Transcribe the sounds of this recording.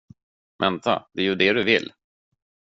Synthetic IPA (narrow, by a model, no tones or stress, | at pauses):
vɛnt̪a̰d̪ɛːjɵd̪ɛd̪ɵvɪlː